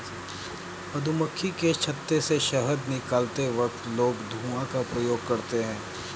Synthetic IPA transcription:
pɐd̪ʱuməkʰːiket͡ʃʰɐt̪ːeseʃɐɦəd̪nɪkaːlt̪eʋɐk̚t̪loːɡd̪ʱuːãkapɾɐjoːɡ̚kɐɾt̪eɦɛ̃ː

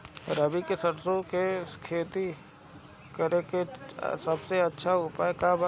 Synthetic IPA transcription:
ɾəbikesɐɽsõkeskʰeːt̪i | kəɾekḛsɐbseɐtːʃʰaʊpaːekaːb

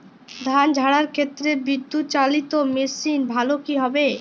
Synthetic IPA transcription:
d̪ʱand͡ʑʱaɽaɾkʰet̪ːɾebid̪ːut͡ɕalit̪omesinbʱalokiɦɔbe

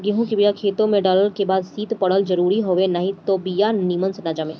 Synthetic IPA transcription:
ɡeɦũkibijakʰeːt̪õmẽɖaːləɾkebaːd̪siːt̪pɐɽəld͡ʒɐɾuːɾiɦoːʋenaɦĩt̪obijanimənsnaːd͡ʒamẽ

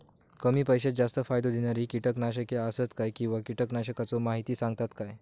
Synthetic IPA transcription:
kəmiːpəjɕed͡zast̪əfajd̪od̪ʱenjaɾiːkiʈəknaɕ̬əkeasət̪kajkĩw̃ʋakiʈəknaɕəkat͡somaɦit̪iːsãŋɡt̪at̪kaj

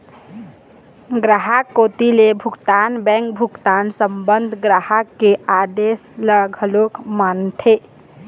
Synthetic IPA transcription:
ɡɾaɦakːoːt̪ilebʱʊkt̪aːnbɛ̃ŋk̚bʱʊkt̪aːnsəmbənd̪ʱɡɾaɦakːead̪eːsləɡʱəlokmant̪ʰe

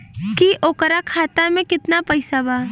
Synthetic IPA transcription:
kiʔoːkəɾakʰaːt̪amẽkɪt̪napɐɪsabaː

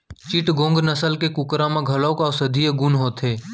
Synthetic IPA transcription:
t͡ʃɪʈɡõːŋɡnəsəlkekʊkɾãmãɡʱəloːkɔːsəd̪ʱiːeɡʊnɦoːt̪ʰeː

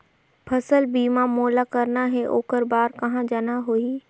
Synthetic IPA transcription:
pʰɐsəlbiːmãmoːlakɐɾnaɦeʔoːkəɾbaːɾkɐɦãd͡ʒanaɦoːiː

